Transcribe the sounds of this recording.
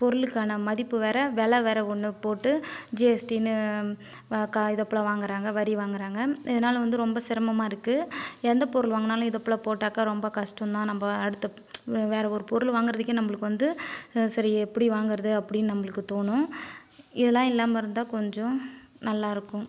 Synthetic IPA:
pɔɾɯlɯkːaːnɐmɐðɪpːɯʋɛːɾɐʋɛɭɐʋɛːɾɐɔɳːɯpoːʈːɯd͡ʒeɛsʈinːɯ | kaɪðɐpːɐɭɐʋaːŋɡɪɾaːŋɡɐʋɐɾiʋaːŋɡɪɾaːŋɡɐɪðɐnaːlɐʋɐnd̪ɯɾɔmbɐsɪɾɐmɐmaːɪɾɯkːɯɛnd̪ɐpɔɾɯlʋaːŋɡɐnaːlʊ̃ɪðɐpːɭɐpoːʈːaːkaɾɔmbɐkɐʂʈɐnd̪ãːnɐmbɐɐɽɯt̪ːɐ | ʋeːɾɐɔɾɯpɔɾɯlʋaːŋɡɪɾɐðɯkːẽnɐmːɐɭɯkːɯʋɐnd̪ɯsɐɾiɛpːɐɽiʋaːŋɡɪɾɐðɯɐpːɐɽɪnːɯnɐmːɐɭɯkːɯt̪oːɳʊ̃ | ɪðɐlːãːɪlːaːmɐɾɯnd̪ãːkɔɲd͡ʒɔ̃ | nɐlːaːɪɾɯkːʊ̃

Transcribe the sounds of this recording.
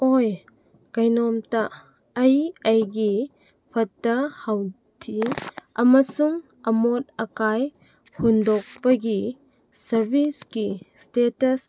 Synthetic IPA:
oj | kɐjnɔmtɐː | jɐjɡi | pʰɐtːɐhaw | tʰiɐmɐsuŋ | ɐmot̚ɐkaj | hundok̚pɐɡi | sɐɾbʱiskistetɐs

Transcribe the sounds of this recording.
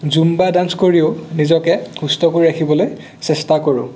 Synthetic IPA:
zumbadanskoɹiʊnizɔkɛhustɔkoɹiɹakʰibɔloj | sɛstakoɹʊ̰̃

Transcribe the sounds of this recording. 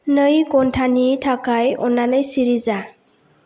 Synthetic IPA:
nɯjɡɔntʰanitʰakajɔnːanɯjsiɾiza

